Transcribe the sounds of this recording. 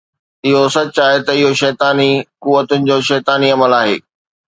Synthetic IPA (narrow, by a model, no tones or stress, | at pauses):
ɪɦosɐt͡ɕaːɦet̪ɐɪɦoʃɛːt̪aːnikuʋət̪ʊnɪ̆d͡ʑoːʃɛːt̪aːniɐməlaːɦḛː